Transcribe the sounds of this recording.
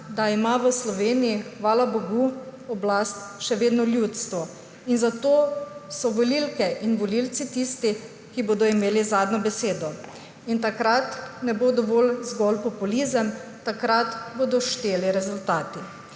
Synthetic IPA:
d̪aimaʋəslɔʋeːnijixʋaːlabɔɡuɔblast̪ʃɛʋeːd̪nɔljut̪st̪ʋɔ | inzat̪oːsɔʋɔlilkɛʔinʋɔlilt̪sit̪ist̪i | kiboːd̪ɔimeːlizaːd̪nɔbɛseːd̪ɔ | int̪akɾat̪nɛbod̪ɔʋɔːlzɡɔlpɔpulizəmt̪akɾat̪boːd̪ɔʃt̪eːliɾɛzult̪aːt̪i

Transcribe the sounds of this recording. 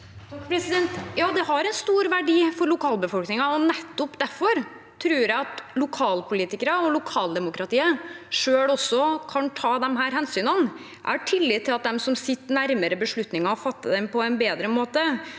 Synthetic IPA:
pʰɾɛsɪd̪ɛnt̪jɑːd̪ɛhɑɾɛnst̪uːɾʋæɖiːfɔɾɭʊkʰɑːlbəfɔlknɪŋɑɔnɛt̪ːɔpd̪æɾfɔɾ | t̪ʰɾʉːɾjæɪɑt̪lʊkʰɑːlpʰʊliːt̪ɪkəɾɑɔlʊkʰɑːld̪ɛmʊkɾɑt̪iːəʂøːlɔsːɔkʰɑnʈ̪ʰɑːd̪ɛmɦæːɾhɛnsyːnən | ʔæ̰ʈʰɪlːɪːt̪ʰːɪlɑt̪̚d̪ɛmsɔmsɪt̪ːnæɾməɾəbəʂɭʉt̪nɪŋɑɔfɑt̪ːəd̪ɛmpʰɔɛnbeːd̪ɾəmoːt̪ə

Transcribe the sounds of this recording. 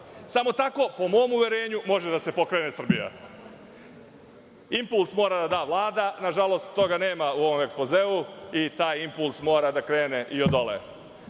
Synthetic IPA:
samo̞t̪ako̞po̞mo̞ːmuʋʲje̞ɾe̞ːɲumo̞ʒed̪ase̞po̞kɾe̞ːne̞sr̩bija̰ | impulˠsmo̞ːɾad̪ad̪aːʋlˠaːd̪anaʒalo̞ːst̪ːo̞ɡane̞ːmauo̞ʋo̞mekspozeuit̪aːjimpulˠsmo̞ːɾad̪akɾe̞ːne̞ʔio̞d̪o̞lḛ

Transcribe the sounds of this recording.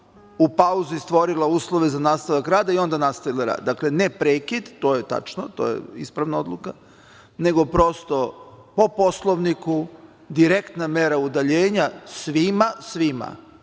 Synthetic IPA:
upauzist̪ʋo̞ɾilauːslˠoʋe̞zanaːst̪aʋakɾaːd̪aio̞nd̪anast̪aʋilˠaɾa̰ːd̪d̪akle̞nepɾeːkid̪t̪o̞ːjet̪a̰t͡ʃnot̪o̰jḛḭspɾaʋnaod̪luka | ne̞ɡo̞pɾo̞st̪o̞ | po̞po̞slˠoʋniku | d̪iɾekt̪name̞ɾaud̪aʎeːɲasʋimasʋima̰

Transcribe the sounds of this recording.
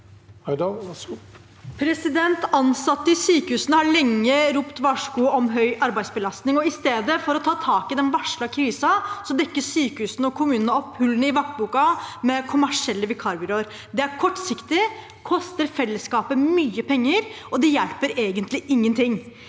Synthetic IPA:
pʰɾɛsɪd̪ɛnt̪ɑnsɑt̪ːəɪsyːkəhʉːsənəhɑɭɛŋːəɾuːpt̪ʋɑʂkuːɔmɦœʏʔɑɾbæɪsbəlɑst̪nɪŋɔɪst̪eːd̪əfɔɾɔt̪ʰɑːt̪ʰɑːkɪd̪ɛnʋɑʂɭɑkʰɾiːsɑsɔd̪ɛkːəsyːkəhʉːsnɔkʰʊmʉːnənəɔpːhʉlːənəɪʋɑk̚t̪̚buːkɑmɛkʰʊmæʂɪɛlːəʋɪkʰɑːɾbʏɾoːɾ | d̪ɛæɾkʰɔʈːsɪkt̪ɪ | kʰɔst̪əɾfɛlːəskɑːpəmyːəpʰɛŋːəɾɔd̪ɛjɛlpəɾeːɡənt̪lɪʔɪŋːənt̪ʰɪŋː

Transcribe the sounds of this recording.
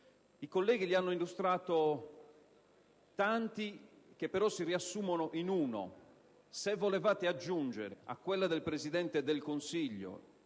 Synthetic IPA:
ikolːɛːɡilianːoilːust̪ɾaːt̪o | t̪ant̪i | k̟epːeɾɔsːiriasːuːmonoʔinuːno̰ | sevːolevaːt̪ead͡ʒːund͡ʒḛɾea̰kːwelːad̪elpɾezid̪ɛnt̪ed̪elkonsiʎːo̰

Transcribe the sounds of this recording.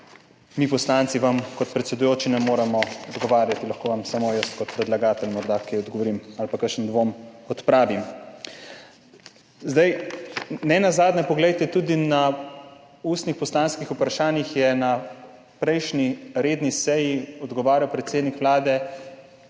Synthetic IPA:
mipɔslant̪siʋamkɔt̪pɾɛt̪sɛd̪ujoːt͡ʃinɛmoːɾɛmɔɔd̪ɡɔʋaːɾjat̪ilaxkoːʋamsamojəst̪kɔt̪pɾɛd̪laɡaːt̪ɛlmɔɾd̪akejɔd̪ɡɔʋɔɾimalpakəʃənd̪ʋomɔt̪pɾaːʋim | zd̪aj | nɛnazaːd̪nɛpɔɡlɛjt̪ɛt̪uːd̪ina | uːst̪nixpɔslaːnskixupɾaʃaːnjixjɛna | pɾɛjʃniɾeːd̪nisɛjiɔd̪ɡɔʋaːɾjawpɾɛt̪seːd̪nikʋlaːd̪ɛ

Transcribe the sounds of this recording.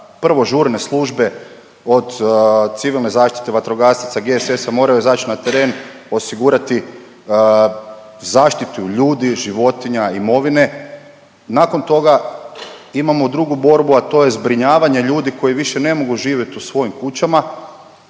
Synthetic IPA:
pr̩ʋo̞ʒuːɾne̞slˠuʒbe̞ | o̞d̪t̪siʋilˠne̞zaːʃt̪i̥t̪e̞ʋat̪ɾoɡast̪it̪saɡe̞se̞samo̞ːɾajuzat͡ɕinat̪eɾe̞ːn | o̞siɡuɾat̪i | zaːʃt̪it̪uʎuːd̪iʒiʋo̞t̪iɲaimo̞ʋine̞ | nako̞nt̪o̞ɡa | imamo̞d̪ɾuɡubo̞ɾbuat̪o̞je̞zbɾiɲaːʋaɲe̞ʎuːd̪iko̞jiʋiʃe̞ne̞mo̞ɡuʒiːʋje̞t̪usʋo̞jimkut͡ɕama

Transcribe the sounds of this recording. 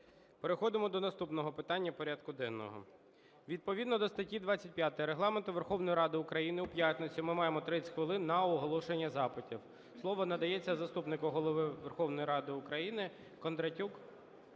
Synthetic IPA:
peɾexɔd̪ɪmɔd̪ɔnɐst̪upnɔɦɔpɪt̪ɑnʲːɐpɔɾʲad̪kʊd̪ɛnːɔ̰ɦɔ̰ | ʋʲid̪̚pɔʋʲid̪nɔd̪ɔst̪ɐtʲid̪ʋɑt͡sʲːɐt̚ʲpʲjat̪ejɾeɦlˠɑment̪ʊʋe̞rxɔwnɔjiɾɑd̪ɪʊkɾɐjinɪʊpjat̪ʲnet͡sʲʊmɪmɑjemɔt̪ɾɪt͡sʲxʋɪlˠɪnːɐɔɦɔlˠɔʃenʲːɐzɑpɪtʲiw | slˠɔʋɔnɐd̪ɐjɛt͡sʲːɐzɐst̪upnɪkʊɦɔlˠɔʋɪʋerxɔwnɔjiɾɑd̪ɪʊkɾɐjinɪ | kɔnd̪ɾɐtʲuk

